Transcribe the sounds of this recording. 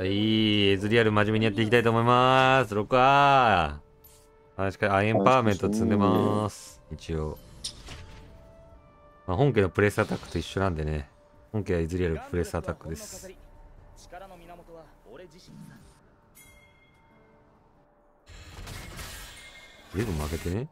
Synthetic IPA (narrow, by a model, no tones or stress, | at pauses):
aiːezɨɾʲiaɾɯ̟maʑimʲiɲ̟ijat̪ːeik̬ʲit̪ait̪oːmoimasɨɾo̞kɯ̟βa | aɕi̥kaaẽmpaːmẽ̞nt̪ot͡sɨ̃nd̪e̞masɨ̥it͡ɕio | mahõ̞ŋk̬e̞nopɯ̟ɾe̞sɨat̪akːɯ̟̥t̪o̞iɕːo̞nãnd̪e̞ne̞ | hõŋkeaizɨɾʲiaɾɯpɯɾe̞sɨat̪akːɯ̟d̪e̞sɨ̥ | zɨːbɯ̟mːoake̞t̪e̞ne